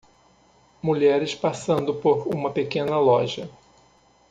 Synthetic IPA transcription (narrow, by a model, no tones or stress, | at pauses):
muʎɛɾɪspasɐ̃nd̪ʊpoɾũmɐpekẽnɐlɔʒɐ